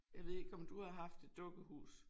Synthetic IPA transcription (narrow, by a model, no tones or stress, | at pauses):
jɑ̈ɪʋe̝ð̞̰ˠeɡ̥ɒ̽md̥uhɑ̈ɦɑ̈fd̥e̝d̥ːɔ̽ɡ̥əɦṵːs